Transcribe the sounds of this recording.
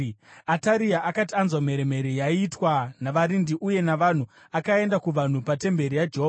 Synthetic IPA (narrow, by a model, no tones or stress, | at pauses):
ataɾiaʔakatianzwam̤e̞ɾeme̞ɾijaitwanaʋaɾindiʔuje̞naʋan̤u | akae̞ndakuʋan̤upate̞mbe̞ɾijad͡ʒeɦoːa